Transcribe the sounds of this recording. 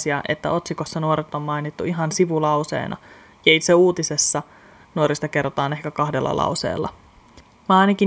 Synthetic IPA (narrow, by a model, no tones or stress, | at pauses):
siɑʔe̞̰t̪ːæ̰ʔo̞t̪siko̞sːɑnuo̞ɾet̪ːommɑjnit̪ːuiɦɑnsiʋulɑwse̞̰ːnʔɑ̰ | jɑit̪seuːt̪ise̞sːɑ | nuo̞ɾist̪ɑke̞rːot̪ɑːne̞hkækɑhde̞lːɑ̰lɑ̰use̞̰ːlːɑ̰ | mæɑˑjnɑki